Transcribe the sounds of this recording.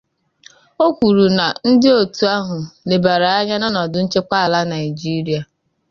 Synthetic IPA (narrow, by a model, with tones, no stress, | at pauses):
o˦kʷu˨ɾu˨na˨n̩˦dɪ˦o˦˨tu˨a˦ɦʊ˨le˨ba˨ɾa˨a˦ɲa˦nɔ˦nɔ˨dʊ˨n̩˦t͡ʃe˦k͡pa˦a˨la˦na˨ɪ˨d͡ʒi˦ɾi˦a˨